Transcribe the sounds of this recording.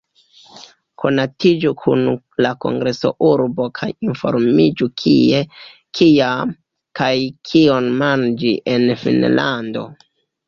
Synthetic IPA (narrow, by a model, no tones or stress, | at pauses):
kʰo̞natid͡ʒukʰṵn | lako̞̰ŋɡɾe̞so̞̰ʔuɾbo̞kʰajinfo̞̰ɾmid͡ʒukʰie̞ | kʰiam | kajkʰio̞nmand͡ʒiʔe̞nfḭnla̰ndo̞̰